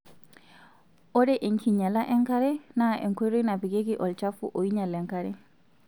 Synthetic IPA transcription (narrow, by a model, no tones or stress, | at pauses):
ʔɔdɛʔenkiɲalaʔɛŋkaɾɛnaʔɛ̰ŋkoɾinabiɡeɡiʔɔlt͡ʃafṵʔojiɲalɛŋkaɾɛ